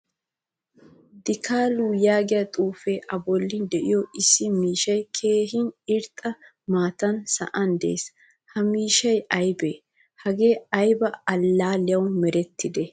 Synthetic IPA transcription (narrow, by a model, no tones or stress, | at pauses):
d̪ɪkʰaːluːjaːɡɪjɐt̪ʼuːfeːʔɐbɔlːɪnd̪ɛʔɪjɔʔɪsːɪmiːʃɐjkʰe̞ːɦɪnɪɾt̪ʼːɐ | maːt̪ɐnsɐ̰ʔɐnd̪ḛːs | hɐmiːʃɐjɐjbeː | hɐɡe̞ːɐjbɐɐlːaːlɛjɐwnmɛɾɛt̪ʰːɪd̪ɛ